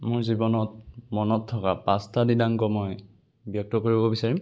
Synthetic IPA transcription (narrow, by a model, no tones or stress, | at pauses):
moɹzibɔnɔt̚mɔnɔtʰːɔkapastadidaŋkɔmɔj | bjɔk̚tɔkoɹibɔbisaɹim